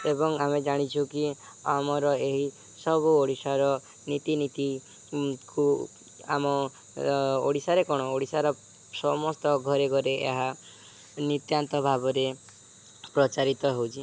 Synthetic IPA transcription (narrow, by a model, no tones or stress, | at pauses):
ebɔŋamed͡ʒaɽ̃it͡ʃʰuki | amɔɾɔeɦi | sɔbuoɽisaɾɔ | nit̪init̪i | ku | a̰mɔ | o̰ɽisaɾekɔɽ̃ɔoɽisaɾɔ | sɔmɔst̪ɔɡʱɔɾeɡʱɔɾeʔḛɦa | nit̪jant̪ɔbʱabɔɾe | pɾɔt͡ʃaɾit̪ɔɦewt͡ʃʰi